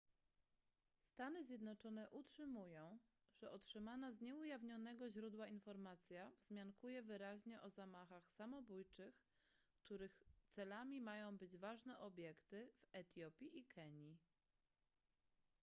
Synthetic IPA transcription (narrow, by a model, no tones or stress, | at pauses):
st̪anɘzʲjɛd̪nɔt͡ʂɔnɛʔutʂɘmujɔ̃w̃ | ʐ̥ɛʔɔtʂɘmanazɲɛujavɲɔnɛɡɔʑɾud̪wainfɔɾmat̪sʲjavzmʲjankujɛvɘɾaʑɲɛʔɔzamaxaxsamɔbujt͡ʂɘx | kt̪ʰuɾɘxt̪sɛlamʲimajɔ̃w̃bɘd͡ʑvaʐnɛʔɔbʲjɛkt̪ɘvɛt̪ʲjɔpʲjiʔikʰɛɲi